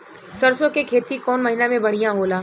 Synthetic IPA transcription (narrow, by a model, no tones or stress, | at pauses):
sɐɾsokekʰeːt̪ikɔːnmɐɦɪnamẽbɐɽ̤ijãɦoːlaː